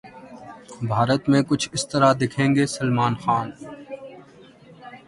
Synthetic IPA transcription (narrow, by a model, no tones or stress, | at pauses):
bʱaːɾət̪mẽkʊt͡ʃʰɪst̪ɐɾad̪ɪkʰẽːŋɡeːsɐlmaːnxaːn